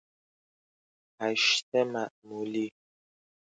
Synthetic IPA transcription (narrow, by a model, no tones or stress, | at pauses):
aʃtɛmaʔmuli